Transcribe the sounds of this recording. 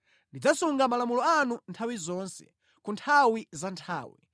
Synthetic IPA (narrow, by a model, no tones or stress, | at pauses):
ndid͡zasuŋɡamalamulɔanuntʰawizɔnsɛ̰ | kuntʰawizantʰaːwḭ